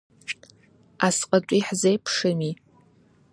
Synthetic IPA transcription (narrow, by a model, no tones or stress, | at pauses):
asqʼat͡ʃʷʼiħzejpʰʂɨmi